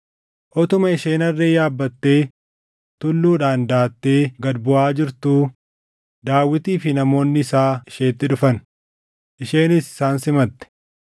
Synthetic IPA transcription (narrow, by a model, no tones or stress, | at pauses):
ʔɔt̪ʊmɐɪʃe̞ːnɐrːeːjaːbːɐt̪ːe̞ː | t̪ʊlːuːᶑaːnd̪aːt̪ːe̞ːɡɐd̪bʊʔaːd͡ʒɪɾt̪uː | d̪aːwːɪt̪iːfɪnɐmo̞ːnːɪɪsaːɪʃe̞ːt̪ːɪᶑʊfɐn | ʔɪʃe̞ːnɪsɪ̥saːnsɪmɐt̪ːɛ̥